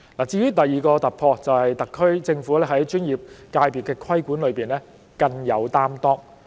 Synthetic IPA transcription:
laː˨˩t͡siː˧jyː˥t̪ɐ˨jːiː˨kɔː˧t̪ɐ˨t̚pʰɔː˧t͡sɐ˨whɐ˨jt̪ɐ˨kʰːɵ˥ɥt͡sɪ˧ŋfuː˨˥lɛː˥ɦɐ˨˥jt͡ʃyː˥njiː˨˩p̚kaː˧jpiː˨t̚kːɛː˧kʰwɐ˥jkʷuː˨˥nlɵ˨˧ɥpiː˨nlɛː˥ | kɐ˧ŋjɐ˨˧wt̪aː˥mt̪ɔː˥k̚

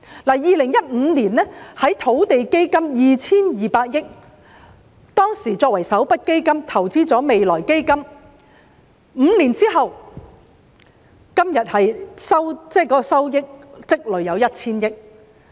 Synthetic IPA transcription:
laː˨˩jiː˨lɪ˨˩ŋjɐ˥t̚m̩ː˨˧niː˨˩nːɛː˥hɐ˨˥jt̪ʰo˨˥wt̪e˨jke˥jkɐ˥mjiː˨t͡sʰiː˥njiː˨paː˧t̚jɪ˥k̚ | t̪ɔː˥ŋsiː˨˩t͡sɔː˧k̚wɐ˨˩jsɐ˨˥wpɐ˥t̚ke˥jkɐ˥mt̪ʰɐ˨˩wt͡siː˥t͡sɔː˨˥me˨jlɔː˨˩jke˥jkɐ˥m | m̩ː˨˧niː˨˩nt͡siː˥ɦɐ˨w | kɐ˥mjɐ˨t̚hɐ˨jsɐ˥wt͡sɛː˥kɔː˨˥kɔ˧sɐ˥wjɪ˥k̚t͡sɪ˥k̚lɵ˨˧ɥjɐ˨˧wjɐ˥t̚t͡sʰiː˥njɪ˥k̚

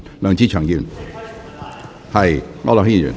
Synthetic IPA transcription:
lœː˨˩ŋt͡siː˧˥t͡ʃʰœː˨˩ŋkiː˨˧˩n | hɐ˨jŋɔ̰˧˥lɔ˨˩hiː˥˨y̰˨˩

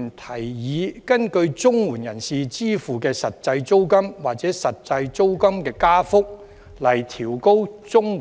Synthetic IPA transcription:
nt̪ʰɐ˨˩jjiː˨˧kɐ˥nkɵ˧ɥt͡sʊ˥ŋwuː˨˩njɐ˨˩nsiː˨t͡siː˥fuː˨kɛː˧sɐ˨t̚t͡sɐ˧jt͡so˥wkɐ˥mwaː˨k̚t͡sɛː˨˥sɐ˨t̚t͡sɐ˧jt͡so˥wkɐ˥mkɛː˧kaː˥fʊ˥k̚ | lɐ˨˩jt̪ʰiː˨˩wko˥wt͡sʊ˥ŋ˨

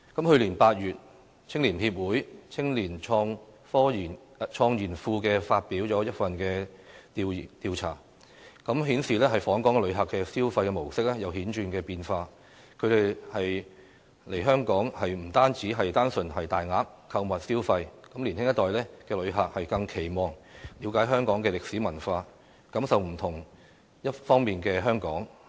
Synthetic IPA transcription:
kɐ˨˥mhɵ˧ɥliː˨˩npaː˧t̚jyː˨t̚ | t͡sʰɪ˥ŋliː˨˩nhiː˧p̚wuː˨˥jt͡sʰɪ˥ŋliː˨˩nʰː˧ŋ | fɔː˥i˨˩ | t͡ʃʰɔː˧ŋjiː˨˩nfuː˧kɛː˧faː˧t̚piː˨˥wt͡sɔː˨˥jɐ˥t̚fɐ˨nkɛː˧t̪i˧˨t̪iː˧wt͡sʰa̰ː˨˩ | kɐ˨˥mɦiː˨˥nsiː˨lɛː˥ɦɐ˨˩jfɔː˨˥ŋkɔː˨˥ŋ˧lɵ˨˧ɥɦɐ˨˩kːɛː˧siː˥wfɐ˧jkɛ˧mo˨˩wsɪ˥k̚lɛ˥jɐ˨˧wɦiː˨˥nt͡ʃyː˧nkɛː˧piː˧nfaː˧ | kʰɵ˨˧ɥɾe˨jhɐ˨j | le˨˩jɦœː˥ŋkɔː˨˥ŋhɐ˨jm̩˨˩t̪aː˥nt͡siː˨˥ɦɐ˨jt̪aː˥nsɵ˨nɦɐ˨jt̪aː˨jŋaː˨˧k | kʰːɐ˧wmɐ˨t̚siː˥wfɐ˧jkɐ˨˥mliː˨˩nhɪ˥ŋjɐ˥t̪ɔː˨jlɛː˥kɛː˧lɵ˨˧ɥɦa˨k̚hɐ˨jkɐ˧ŋkʰe˨˩jmɔː˨˩ŋli˨˧wkaː˨˥jɦœː˥ŋkɔː˨˥ŋkɛː˧lɪ˨k̚siː˨˥mɐ˨˩nfaː˧ | kɐ˨˥msɐ˨wm̩˨˩t̪ʰʊ˨˩ŋ | jɐ˥tfɔː˥ŋmiː˨nkɛː˧ɦœː˥ŋkɔː˨˥ŋ

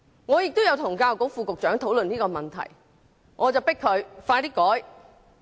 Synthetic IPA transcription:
ŋɔː˨˧jɪ˨k̚t̪o˥wjɐ˨˧wt̪ʰʊ˨˩ŋkaː˧wko˨˥wfuː˧kʊ˨k̚t͡ʃœː˨˥ŋt̪ʰo˨˥wlɵ˨niː˥kɔː˧mɐ˨nt̪ʰɐ̰˨˩j | ŋʔɔː˨˧t͡sɐ˨˩wpɪ˥kʰɵ˨˧ɥfaː˧jt̪iː˥kːɔː˨˥j

